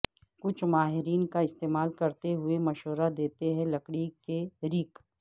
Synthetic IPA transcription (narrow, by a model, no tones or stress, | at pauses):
kʊt͡ʃʰmaːɦɪɾiːnkaɪst̪eːmaːlkɐɾt̪eɦʊemɐʃoːɾad̪eːt̪eɦɛ̃lɐkɽikeɾɪk